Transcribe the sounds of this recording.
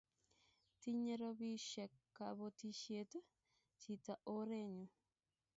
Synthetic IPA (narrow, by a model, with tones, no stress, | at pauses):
t̪i˦ɲẽ˦ɾo˧βi˦ʃe˨kːa˨βo˧t̪i˧ʃje˦t̪ə˦ | t͡ʃi˨t̪a˨ʔo˦ɾe˦ɲũ˨